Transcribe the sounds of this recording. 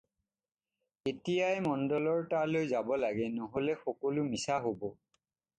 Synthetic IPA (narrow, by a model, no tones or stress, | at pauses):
etijajmɔndɔlɔɹtalojzabɔlaɡɛnɔɦolɛxɔkɔlʊmisaɦobɔ